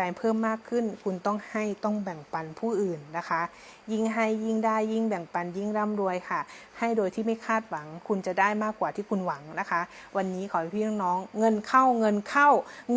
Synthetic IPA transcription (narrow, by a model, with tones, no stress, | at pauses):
a˧jpʰɤː˥˩mːaː˥˩kʰːɯ˥˩nkʰu˧nt̪ɔ˥˩ŋha˥˩jt̪ɔ˥˩ŋbɛː˨˩ŋpa˧npʰuː˥˩ʔɯː˨˩nːa˦˥kʰa˦˥ | ji˥˩ŋɦa˥˩jːi˥˩ŋdaː˥˩jːi˥˩ŋbɛː˨˩ŋpa˧nji˥˩ŋɾa˧˥˩mdu˧əjkʰa˧˥˩ha˥˩jdoː˧jt̪ʰiː˥˩ma˥˩jkʰaː˥˩t̪̚wa˩˦ŋkʰu˧nt͡ɕa˨˩daː˥˩jmaː˥˩kːwaː˨˩t̪ʰiː˥˩kʰu˧nwa˩˦ŋna˦˥kʰa˦˥ʔ | wa˧nːiː˦˥kʰɔː˨˩˦pʰiː˧˩a˥˩ŋnɔː˦˥ŋːɤ˧nkʰa˥˩wŋɤ˧nkʰa˥˩w